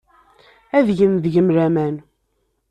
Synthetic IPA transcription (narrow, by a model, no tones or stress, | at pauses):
æðʝənðʝəmɾæmæn